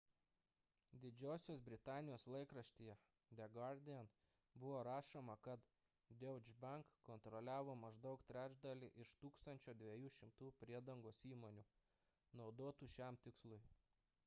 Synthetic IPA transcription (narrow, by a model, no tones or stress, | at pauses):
d̪ʲɪd͡ʒʲɛʊsʲoːsbʲɾʲɪt̪ɑːnʲɪjoːslˠɐɪkɾɐʃʲt̪ʲijɛ | d̪ʲɛɡɐɾd̪ʲɪɛn | bʊʋoːɾɑːʃomɐkɐt̪ | d̪ʲɛʊd͡ʒʲbɐŋkːɔnt̪ɾɔlʲæːʋoːmɐʒd̪ɐʊkt̪ʲɾʲæːd͡ʒʲd̪ɐlʲiːʔɪʃt̪uːkst̪ɐnʲt͡ʃʲoːd̪ʲʋʲɛjuːʃʲɪmt̪uːpʲɾʲiɛd̪ɐŋɡoːsiːmoːnʲuː | nɒʊd̪oːt̪uːʃʲæmt̪ʲɪkslˠʊɪ